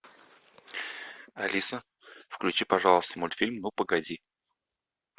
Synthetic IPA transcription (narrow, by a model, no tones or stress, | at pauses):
ɐ̰lʲʔisə | fklʲʉt͡ɕipɐʐalˠəst̪əmolʲfʲilʲmnupəɡɐdʲi